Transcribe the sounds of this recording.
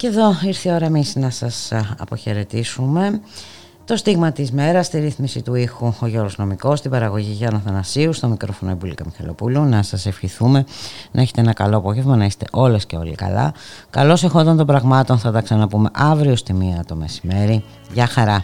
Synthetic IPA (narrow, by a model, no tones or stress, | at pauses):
ce̞ðo̞iɾθio̞ɾɐemisnɐsɐsɐ̰po̞çe̞ɾe̞t̪isume̞ | t̪o̞st̪iɣmɐt̪izme̞ɾɐst̪iɾiθmisit̪uixuoʝo̞ɾozno̞miko̞st̪ibɐɾɐɣo̞ʝiʝɐnɐθɐnɐsiust̪o̞mikɾo̞fo̞noebulikɐmixɐ̰lo̞̰pulunɐsɐse̞fçiθume̞nɐe̞çet̪eenɐkɐ̰lo̞po̞ʝevmɐnɐist̪e̞ʔo̞lesce̞o̞̰lḭkɐ̰lɐ̰kɐlo̞sexo̞nd̪ɐnt̪o̞bɾɐɣmɐt̪o̞nθɐt̪ɐksɐnɐpume̞ʔɐvɾiost̪imiɐt̪o̞me̞sime̞ɾi | ʝɐxɐɾɐ